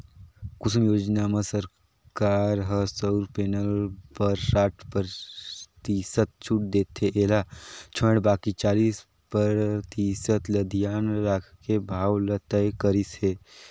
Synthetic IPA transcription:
kʊsmjoːd͡ʒnamesəɾ | kaːɾɦəsəʊɾpeːnəlpəɾsaːʈʰpəɾt̪isət̪̚t͡ʃʰʊʈ̚d̪eːt̪ʰːeʔeːlat͡ʃʰə̃ɽbaːkit͡ʃaːliːs | pəɾt̪isət̪lɐd̪ʱijaːnɾaːkʰkebʱaːwlət̪əjkəɾisɦeː

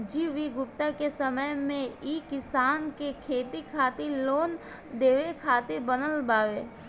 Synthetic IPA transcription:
d͡ʒiːʋiɡʊp̚t̪akesəməjmẽiːkɪsaːnkekʰeːt̪ikʰaːt̪iloːn | d̪eːʋekʰaːt̪ebənəlbaːʋeː

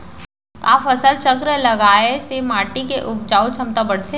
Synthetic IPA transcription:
kaːfɐsəlt͡ʃəkɾlɐɡaːesemaːʈikeʔʊp̚d͡ʒaːut͡ʃʰɐmt̪abɐɽ̤t̪e

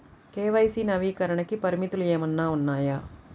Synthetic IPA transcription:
keːʋɐjsinɐʋiːkɐɾɐɳɐkipɐɾimit̪uleːmɐnːaːunːaːja

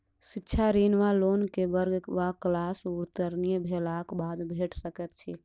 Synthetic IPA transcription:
sitːt͡ʃʰaɾinʋalonkebəɾɡbaklasuɾt̪əɾnijbʱelakbad̪bʱeʈsəkɛt̪̚t͡ʃʰḭ

